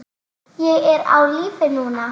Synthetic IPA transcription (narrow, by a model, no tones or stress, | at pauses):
jeeɾa̰wlifenuna